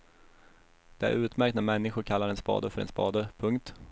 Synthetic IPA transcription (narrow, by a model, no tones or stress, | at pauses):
d̪̥ɛæ̰ɾʉ̟ːt̪mæɾkt̪næɾmɛnːɪɧʊɾkʰalːaɾɛnspɑ̰ːd̪əfœɾɛ̰nspɑːd̪əpʰɵŋk̚t̪